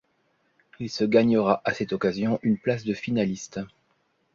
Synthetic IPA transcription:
ilsəɡaɲəʁaʔasɛt̪ɔkazjɔ̃ʔynplas̬d̪əfinalist̪

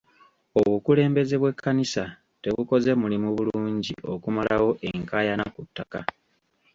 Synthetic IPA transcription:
o̞βukule̞ːmbe̞ze̞βwe̞kːanisa | te̞βuko̞ze̞mulimuβuluːɲɟiʔo̞̰kumalawo̞ʔe̞ŋkaːjanakutːaka

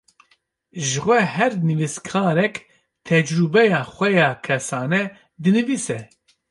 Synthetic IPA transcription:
ʒɨxʷɛɦɛɾnɨviskʰɑːɾɛk | t̪ʰɛd͡ʒɾubɛjaːxʷɛjɑːkʰɛsaːnɛ | d̪ɨnɨviːsɛ

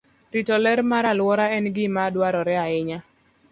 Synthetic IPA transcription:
ɾitɔlɛɾmaɾalwɔɾaɛnɡɪmadwaɾɔɾɛaɪɲa

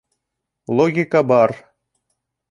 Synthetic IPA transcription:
lˠoɡʲikɑbɑr

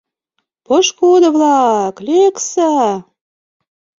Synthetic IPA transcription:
pɤʃkod̪ə̆βlɑkleksa

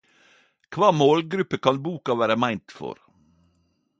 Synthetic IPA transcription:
kʰʋɑːmoːlɡɾʉpːəkʰɑnbuːkɑʋæːɾəmæɪnt̪fɔ̰ɾ

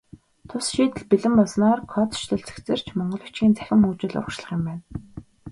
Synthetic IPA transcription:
t̪ʰʊsʃiːt̪ɘ̆ɮpiɮɘ̆mʊsnɔːrkʰɔt̪ʃt̪ʰɵ̆ɮt͡sɘ̥̆kt͡sɘ̆r̥t͡ɕʰmɔɴɢɞ̆ɮɞ̆kʰt͡ɕɡiːnt͡sæ̥xʲɪ̆muːt͡ɕɪ̆ɮʊ̰rkʃɮə̥̆χɪ̆mpæːn

